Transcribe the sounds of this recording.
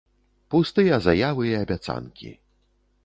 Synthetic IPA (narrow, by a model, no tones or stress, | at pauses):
pust̪ɨjɐzajavɨiɐbʲat̪sa̰nkʲḭ